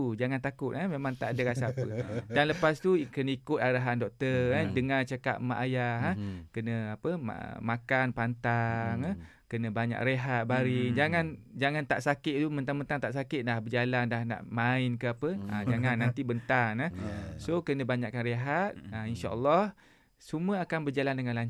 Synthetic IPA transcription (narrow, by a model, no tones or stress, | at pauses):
ud͡ʒaŋant̪akʊt̪amemãŋt̪a̰ʔadəɣasaːpədanləpast̪ukənəikʊt̪̚aɾaɦandɔk̚t̪əradəŋat͡ʃəkaʔ̪̚ma̰ʔajaɦakənə̃apəm̰makanpant̪aŋa | kənə̃baɲa̰kreɦat̪̚baɾid͡ʒaŋand͡ʒaŋant̪a̰ʔsakɪʔ̪̚t̪umənt̪aŋmənt̪aŋt̪aʔsakɪʔ̪̚dahbəd͡ʒalandahna̰ʔmaɪnkəapəã̰d͡ʒaŋanːant̪ibənt̪anasokənə̃baɲaʔkanɾeɦat̪̚ainʃaə̰lːɔh | suməakanbərd͡ʒalandəŋanlaɲ